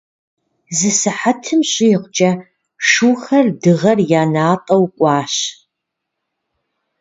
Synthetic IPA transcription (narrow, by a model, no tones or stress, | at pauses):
zɨsɨħatʰɨmɕʼɪjɪqʷʊt͡ʃʼɐ | ʂuːxɐrdɨʁɐrjaːnaːtʼɐwkʷʼɑːɕ